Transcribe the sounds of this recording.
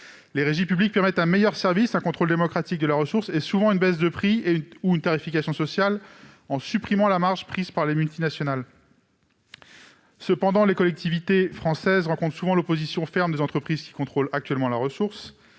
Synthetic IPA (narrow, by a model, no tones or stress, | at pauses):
leʁeʒipyblik̚pɛʁmɛt̪ɛ̃mejœʁsɛʁvisɛ̃kɔ̃t̪χold̪emɔkχat̪ik̚d̪əlaʁəsuʁsesuvɑ̃ynbɛsd̪əpχienuynt̪aʁifikʲasjɔ̃sɔsjal | ɑ̃sypχimɑ̃lamaʁʒpχizpaʁlemylt̪inasjɔnal | səpɑ̃d̪ɑ̃lekɔlɛk̚t̪ivit̪efχɑ̃sɛzʁɑ̃kɔ̃t̪χəsuvɑ̃lopozisjɔ̃fɛʁmd̪ezɑ̃t̪χəpχizkʲi̥kɔ̃t̪χolak̚t̪ɥɛlmɑ̃laʁəsuʁs